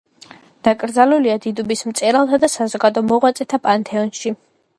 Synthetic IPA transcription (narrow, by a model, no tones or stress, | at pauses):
d̪̥akʼɾd̪zaluliad̪id̪ubismt̪sʼɛɾalˠt̪ʰad̪asazɔɡad̪ɔmɔʁwat̪sʼɛt̪ʰapʼant̪ʰɛɔnʃi